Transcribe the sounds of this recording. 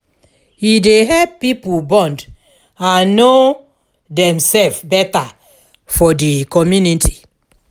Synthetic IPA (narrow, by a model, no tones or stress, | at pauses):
hideɦɛppipubɔ̃nd | ãnːo | dɛ̃msɛlfbɛta | fɔdikɔmjuniti